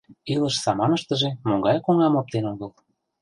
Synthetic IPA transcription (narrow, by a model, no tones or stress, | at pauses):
ilə̆ʃsɑmɑnəʃt̪ə̆ʒĕmoɡɑjkoŋɑmop̚t̪enoɣəl